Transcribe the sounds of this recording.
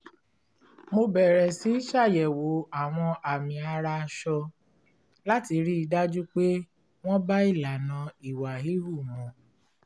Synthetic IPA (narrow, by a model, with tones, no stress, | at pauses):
mo˧bɛ˨ɾɛ˨si˨˦ʃa˦˨jɛ˨wo˨˦a˦˨w̃ɔ̃˧ʔa˨mĩ˨a˧ɾa˧ʃɔ˧ | la˦ti˧ɾi˦i˧da˦d͡ʒu˦k͡pe˦ | w̃ɔ̃˦ba˦i˦˨la˨nã˨i˨wa˨ɦi˨˦hu˦˨mɔ̃˨˦